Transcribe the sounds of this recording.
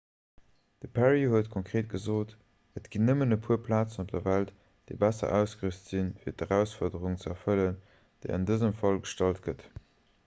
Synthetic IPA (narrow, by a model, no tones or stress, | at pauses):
d̥əpʰæʁihuətkʰoŋkχʁeːt̚ɡ̥əzoːt | ətɡ̥inəmənəpʰuːɐpʰlaːt͡sənop̚d̥ɐvælt | d̥eɪbæsɐ̰ʔæʊsɡ̥əʁystz̥infiːɐtəʁæʊsfɔɐdəʁuŋt͡səɛɐfələn | d̥eɪɑ̰ndəzəmfɑlɡəʃtɑlt̚ɡ̥ət